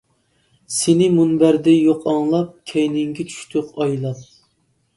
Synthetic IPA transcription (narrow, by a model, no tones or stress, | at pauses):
sɪnɪmunbæɾd̪ɛjoqʰɑŋlˠɑp̚kʲʰɛjnɪŋɡʲɛt͡ʃʰy̥ʃt̪ʰyqɑjlˠɑp̚